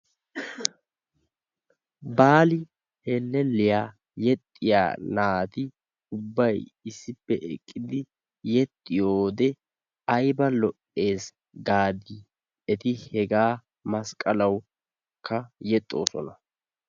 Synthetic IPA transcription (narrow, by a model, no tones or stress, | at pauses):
baːlɪ | helːɛlːɪjaː | jɛt̪ʼːɪja̰ːnaːt̪ɪ | ʊbːɐjɪsːɪpːɛʔɛ̰kʼːɪd̪ɪ | jɛt̪ʼːɪjoːd̪ɛ | ɐjbɐlɔʔʼːe̞ːs | ɡaːd̪iː | ɛt̪ɪhɛɡaː | mɐskʼɐlɐw | kːɐjɛt̪ʼːo̞ːsɔ̰nɐ